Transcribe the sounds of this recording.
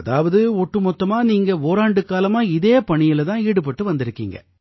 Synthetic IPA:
ɐðaːʋɐðɯɔʈːɯmɔt̪ːɐmaːniːŋɡɐoːɾaːɳɖɯkaːlɐmaːɪðeːpɐɳɪjɪlt̪ãːiːɽɯpɐʈːɯʋɐnd̪ɪɾɯkːiːŋɡɐ̰

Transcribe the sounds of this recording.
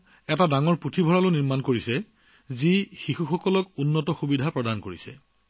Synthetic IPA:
ɛtadaŋɔɹputʰibʱɔɹalʊniɹmankoɹisɛ | zixixuxɔkɔlɔkunːɔtɔxubidʱapɹɔdankoɹisɛ̰

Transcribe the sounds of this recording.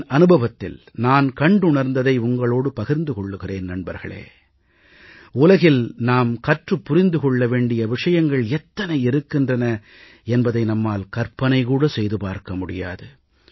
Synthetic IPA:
ɐnɯbɐʋɐt̪ːɪ̰l | naːnkɐɳɖʊɳɐɾnd̪ɐðɐɪʊŋɡɐɭoːɽɯpɐɣɪɾnd̪ɯkɔɭːɯɣɪreːnnɐɳbɐɾɣɐ̰ɭḛː | ʊlɐɣɪlnaːmkɐʈrɯpːʊɾɪnd̪ɯkɔɭːɐʋeːɳɖɪjɐʋɪʂɐjɐŋɡɐɭɛt̪ːɐnɐɪɪɾɯkːɪndrɐnɐ | ɛnbɐðɐɪnɐmːaːlkɐɾpɐnɐɪkuːɽɐsɛjðɯpaːɾkɐmʊɽɪja̰ːðɯ

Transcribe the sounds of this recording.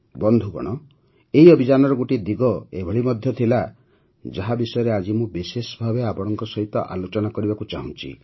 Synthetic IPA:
bɔnd̪ʱuɡɔ̰ɽ̃ɔ | eɦiɔbʱid͡ʒanɔɾɔɡoʈid̪iɡɔebʱɔɭimɔd̪ʱjɔt̪ʰila | d͡ʒaɦabisɔjɔɾead͡ʒimũbisesɔbʱabeapɔɽ̃ɔŋkɔsɔɦit̪ɔʔa̰lot͡ʃɔnakɔɾibakut͡ʃaɦũt͡ʃʰḭ

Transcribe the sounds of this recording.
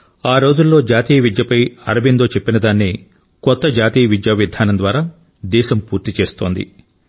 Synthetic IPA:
aːɾo̞ːd͡ʒulːo̞ːd͡ʒaːt̪iːjɐʋid̪jɐpɐjɐ̰ɾɐbind̪o̞ːt͡ʃepːinɐd̪aːnːi | kɔt̪ːɐd͡ʒaːt̪iːjɐʋid̪jaːʋid̪ʱaːnɐnd̪ʋaːɾaː | d̪ɛːʃɐmpuːɾt̪it͡ʃe̞ːst̪o̞ːnd̪ḭ

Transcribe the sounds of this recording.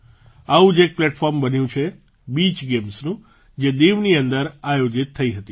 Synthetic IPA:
aʋũd͡ʒek̚plɛʈfɔɾmbənjũt͡ʃʰe | bit͡ʃɡemsnũ | d͡ʒed̪eʋniənd̪əɾajod͡ʒit̪ʰːəiɦət̪i

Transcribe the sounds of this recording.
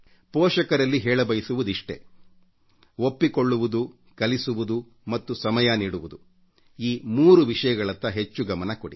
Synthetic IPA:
pɔːʂɐkɐɾɐlːiɦɛːɭɐbɐjisuʋud̪iʂʈe̞̰ | opːikoɭːuʋud̪u | kɐlisuʋud̪u | mɐt̪ːusɐmɐjɐniːɽuʋud̪u | iːmuːɾuʋiʂɐjɐɡɐɭɐt̪ːɐɦe̞t͡ʃːuɡɐmɐnɐkoɽi

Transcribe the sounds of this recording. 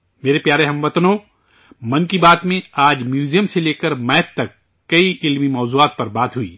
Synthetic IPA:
meːɾepjaːɾeɦɐ̃mʋɐt̪nõː | mɐ̃nkibaːt̪mẽaːd͡ʒmjuːzijəmseleːkəɾmɛːtt̪ːɐkː | ɐiʔɪlmimɔːzuaːt̪̚pɐɾbaːt̪ɦuḭː

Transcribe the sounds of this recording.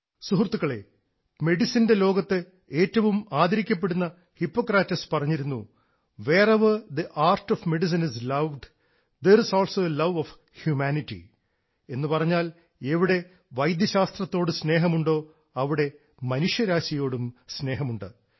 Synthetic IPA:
suɦrt̪ːuɣɐɭe̞ | me̞ɽisinde̞lo̞ːɡɐt̪ːɨ | e̞ːtːɐʋumaːd̪ɐɾikʲːɐp̬ːe̞ɽunːɐ | hipːoːkraːtːɐspɐrɐɲːiɾunːu | ʋeːrɐʋɐd̪iʔaːrtofme̞ɖis̬ɐnislɐʋɖ | d̪ersoːlsoːlɐʋof | hjumaːnitːḭ | e̞nːɨpɐrɐɲːaːl | eʋiɽe̞ | ʋɐjd̪jɐɕaːst̪rɐt̪ːo̞ːɽɨsne̞ːɦɐmuɳɖo̞ː | ɐʋiɽe̞ | mɐnuʂjɐɾaːɕɐjo̞ːɽumsne̞ːɦɐmuɳɖɨ

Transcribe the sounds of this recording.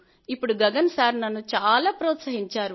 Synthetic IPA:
ipːuɽuɡɐɡɐnsaːɾnɐnːut͡ʃaːlaːpɾɔːt̪sɐɦiɲt͡ʃaːɾu

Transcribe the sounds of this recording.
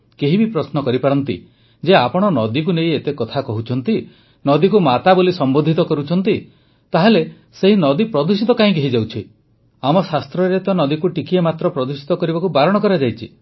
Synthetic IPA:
keɦibipɾɔsnɔkɔɾipaɾɔnt̪ḭ | d͡ʒeapɔɽ̃ɔnɔd̪ik̬uneĩet̪ekɔt̪ʰakɔɦut͡ʃʰɔnt̪i | nɔd̪ik̬umat̪abolisɔmbond̪ʱit̪ɔkɔɾut͡ʃʰɔnt̪i | t̪aɦele | seɦinɔd̪ipɾɔd̪usit̪ɔkaɦĩkeɦid͡ʒawt͡ʃʰi | amɔsast̪ɾɔɾet̪ɔnɔd̪ikuʈikiemat̪ɾɔpɾɔd̪usi̥t̪ɔkɔɾibakubaɾɔɽ̃ɔkɔɾad͡ʒajt͡ʃʰḭ

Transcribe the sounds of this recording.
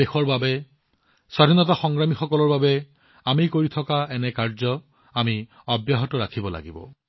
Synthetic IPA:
exɔɹbabe | sɔdʱinɔtaxɔŋɡɹamixɔkɔlɔɹbabɛ | amijkoɹit̪ʰɔkaɛnɛkaɹzɔ | ami | ɔbjaɦɔtɔɹakʰibɔla̰ɡibɔ̰

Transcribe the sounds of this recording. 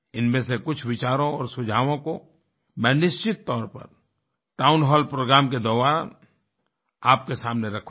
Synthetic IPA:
ɪnmẽsekʊt͡ʃʰʋɪt͡ʃaːɾõɔːɾsʊd͡ʒʱaːʋõko | mɛ̃ːnɪʃt͡ʃɪt̪ːɔːɾpɐ̰ɾ | ʈaːʊ̃nɦɔːlpɾoːɡɾaːmked̪ɔːʋaːɾ | aːp̚kesaːmneɾɐkʰ

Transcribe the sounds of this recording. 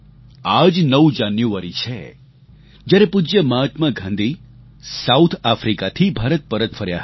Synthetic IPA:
ad͡ʒnəʋud͡ʒanjuʋaɾit͡ʃʰe | d͡ʒjaɾepud͡ʒjəmat̪məɡʱãnd̪ʱi | saut̪ʰafɾikat̪ʰibʱaɾət̪̚pəɾət̪fʰəɾja̰ɦ

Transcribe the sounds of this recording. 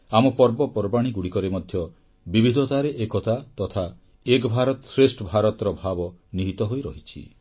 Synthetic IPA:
amɔpɔɾbɔpɔɾbaɽ̃iɡuɽikɔɾemɔd̪ʱjɔ | bibʱid̪ʱɔt̪aɾeʔekɔt̪at̪ɔt̪ʰa | ekɔbʱaɾɔt̪ɔsɾesʈɔbʱaɾɔt̪ɔɾɔbʱabɔniɦit̪ɔɦojɾɔɦit͡ʃʰḭ

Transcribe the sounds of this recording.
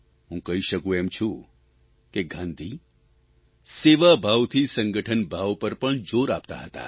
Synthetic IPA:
ɦũkəɦiʃəkũemt͡ʃʰũ | keɡʱãnd̪ʱi | seʋabʱaʋt̪ʰisəŋɡəʈʰənbʱaʋpəɾpəɳd͡ʒoɾapt̪a̰ɦət̪a̰

